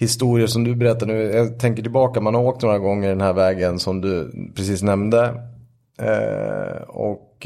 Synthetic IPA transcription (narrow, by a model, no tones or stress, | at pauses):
hɪst̪uːɾɪəʂɔmd̪ɵbɛɾɛt̪ːaɳʉ̟ːjɑt̪ʰɛŋkəʈɪlbɑːkamanhaɾoːk̚t̪noːɾaɡɔŋːəɖɛnhæːɾvɛːɡənsɔmd̪ɵpʰɾɛsiːsnɛmd̪ə̰ | ɔ̰k